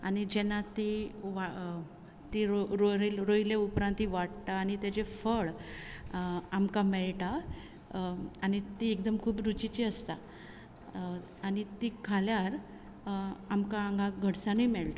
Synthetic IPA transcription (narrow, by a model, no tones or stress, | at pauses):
a̰nid͡ʑɛnːat̪iʋa | t̪iɾɾoɾilɾoileupɾãnt̪iʋaʈt̪aːñit̪jad͡ʑefəɭ | amkamɛɭʈa | ñit̪iek̚d̪əmkʰuːbɾut͡ɕit͡ɕiəst̪a̰ | anit̪ikʰaljaɾ | amkaaŋɡʱaɡʱəɽsanijmɛɭt̪a